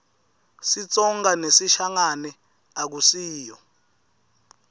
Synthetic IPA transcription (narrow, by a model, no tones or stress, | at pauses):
sit͡sʼɔŋɡanesiʃaŋanɛ | ak̬usiːjɔ